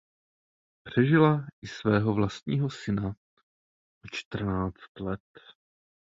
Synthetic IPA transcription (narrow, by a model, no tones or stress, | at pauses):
pr̝̥ɛʒɪlaʔɪsvɛːɦovlast̪ɲiːɦosɪna | ot͡ʃt̪r̩naːt͡st̪lɛt̪